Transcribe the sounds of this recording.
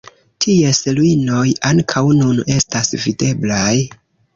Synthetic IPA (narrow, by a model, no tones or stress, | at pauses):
tʰie̞seluino̞jaŋkʰawnune̞stasvide̞blaj